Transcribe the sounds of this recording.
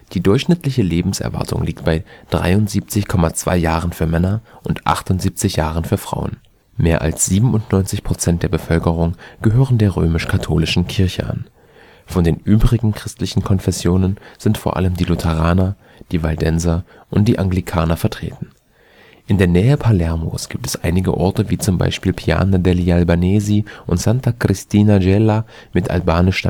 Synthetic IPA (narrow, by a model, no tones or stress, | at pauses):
d̥iːdʊɐçʃnɪtʰlɪçəleːbm̩sʔɛ̰ɐva̰ɐtʰʊ̰ŋliːk̚tb̥aɪd̥ʁa̰ɪʊntz̥iːp̚t͡sɪçkʰɔmat͡sv̥a̰ɪjaːʁ̞ənfyːɐmɛnɐʔʊntʔa̰χtʊntz̥iːp̚t͡sɪçjaːʁ̞ənfyːɐfʁ̥a̰ʊə̰n | meːɐʔa̰lsz̥iːbm̩ʊntnɔʏnt͡sɪçpʁ̥ot͡sɛntd̥eːɐbəfœlkəʁ̞ʊŋɡ̥əɦøːʁəndeːɐʁøːmɪʃkʰatʰoːlɪʃn̩kʰɪɐçə̰ʔa̰n | fɔndeːnʔyːbʁɪɡŋ̩kʁ̥ɪstlɪçn̩kʰɔnfɛsjoːnənz̥ɪntfoːɐʔa̰ləmdiːlʊtʰɛʁ̞aːnɐ | d̥iːvaldɛnzɐ | ʔʊnt̚d̥iːʔaŋɡlikʰaːnɐfɛɐtʁ̥ḛːtn̩ | ʔɪndeːɐnɛːəpʰalɛɐmo̰sɡ̥iːp̚tɛsʔa̰ɪnɪɡə̰ʔɔɐtəviːt͡sʊmba̰ɪʃpiːlpʰia̰ːnadɛlialbaneːziʔʊntz̥antakʁ̥ɪstʰiːnad͡ʒɛla | mɪtʔa̰lbaːnɪʃa